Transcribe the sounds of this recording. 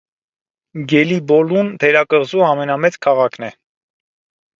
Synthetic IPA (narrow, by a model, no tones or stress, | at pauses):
ɡɛlibɔlunt̪ʰɛɾɑkəʁzuɑmɛnɑmɛt͡skʰɑʁɑkʰnɛ